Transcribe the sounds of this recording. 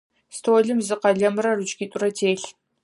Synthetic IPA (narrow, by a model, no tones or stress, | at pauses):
stʰoːɮɨmzɨqɐɮɐmɨrɐrɨt͡ʃʼɡʲitʷʼʊɾɐtʰeːɬ